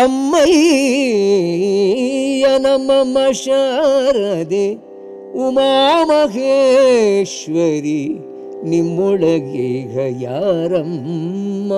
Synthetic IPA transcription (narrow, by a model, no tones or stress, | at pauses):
ɐmːɐj | jɐnɐmːɐmɐʃɐɾɐd̪e | umaːmɐɦe | ʃʋɐɾi | nimːɔɭɐɡeɡɐjaːɾɐmː | ɐ